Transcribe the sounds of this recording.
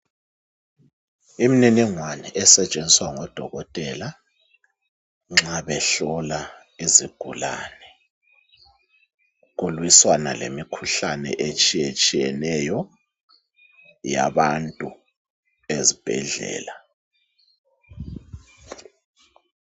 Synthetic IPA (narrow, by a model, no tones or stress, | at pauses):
imininiŋwanɛʔɛsɛt͡ʃʼenzʱiswaŋɔd̥ʱɔɣɔtʼɛla | ŋ͡ǁaβɛɬɔla | iziɡ̥ʱula̰nɛ | ɣulwiswana̰lḛmikʰuɬanɛ̰ʔet͡ʃʼijet͡ʃʼijɛnɛjɔ | ja̰βantʼu | ezib̥ʱɛ̰ɮɛ̰ːla